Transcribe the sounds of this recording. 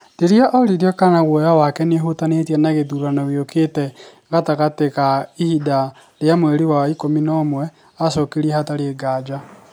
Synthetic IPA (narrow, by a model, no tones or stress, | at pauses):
deɾiaʔɔɾiɾiɔkanaɣwojawakɛneɦotanetiɛnaɣeðuɾanɔɣeokʰetɛ | ɣataɣatekaihida | ɾeamwɛɾiwaikominɔːmwɛ | asɔkeɾiɛhataɾeɡad͡ʒa